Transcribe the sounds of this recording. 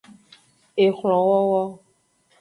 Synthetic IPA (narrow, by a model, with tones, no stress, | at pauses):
e˨xl̃ɔ̃˨wɔ˦wɔ˦